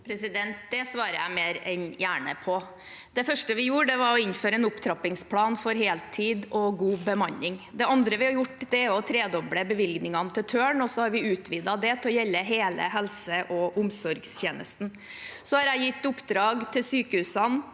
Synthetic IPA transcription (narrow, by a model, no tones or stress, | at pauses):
pʰɾɛsɪd̪ɛnt̪̚d̪ɛsʋɑːɾəjæ̰ɪmeːɾɛnjæːɳə̰pʰɔ | d̪̥ɛfœʂʈəʋɪjuːɾəɖ̪ɛʋɑɾɔɪnføːɾəɛnʊpt̪ʰɾɑpɪŋspʰlɑːnfɔɾɦeːlt̪ʰiːd̪ɔɡuːbəmɑnːɪŋd̪ɛɑnd̪ɾəʋɪhɑɾjʊʈːd̪ɛæɾɔt̪ʰɾeːd̪ɔbɽəbəʋɪlɡnɪŋɑnət̪ɪlt̪ʰøːɳɔsɔhɑɾʋɪʉːt̪ʰʋiːd̪ɑd̪ɛt̪ʰɛɔjɛlːəɦeːlə̰ɦɛlsəʔɔʔʊmsɔɾɡst̪jeːnəst̪n̩ | sɔhɑɾæɪjɪt̪ːʊpd̪ɾɑːɡt̪ʰɪlsyːkəhʉːsɑn